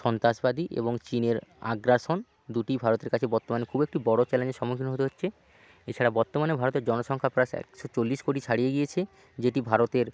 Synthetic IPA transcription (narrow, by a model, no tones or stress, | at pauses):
ʃɔnt̪aʃbad̪iʔḛboŋt͡ɕineɾa̰ɡɾaɾʃon | d̪uʈibʱaɾot̪eɾkat͡ɕʰebɔɾt̪ːomanekʰubek̚ʈibɔɽot͡ɕɛlend͡ʑeʃɔmokʰinɦot̪eɦotːɕʰe | et͡ɕʰaɽabɔɾt̪omanebʱaɾot̪eɾd͡ʑɔnoʃɔŋkʰapɾaʃɛ̰kʃot͡ɕolːiʃkoʈit͡ɕʰaɽijeɡiet͡ɕʰe | d͡ʑeʈibʱaɾot̪eɾ